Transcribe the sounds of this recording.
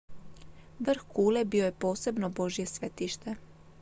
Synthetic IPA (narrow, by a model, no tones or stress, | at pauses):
ʋr̩xkuːlebio̞jepo̞ːse̞bno̞bo̞ʒije̞sʋet̪iʃt̪e